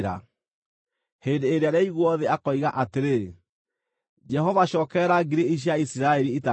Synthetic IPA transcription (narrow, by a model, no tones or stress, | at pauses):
ɾa̰ | heːndeːɾeaɾeaiɣwɔðeakɔiɣaʔateɾe | d͡ʒɛɦɔvaʃɔːkɛɾaɡeɾeiɕ̬jaisiɾaɛɾiita